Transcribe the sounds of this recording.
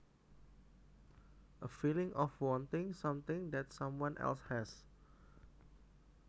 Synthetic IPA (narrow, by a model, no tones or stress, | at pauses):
ʔəfilɪ̃ŋʔɔfwɔ̃nt̪ɪ̃ŋsãmt̪ɪ̃ŋd̪ɛtsãmwãnʔɛ̰lshɛs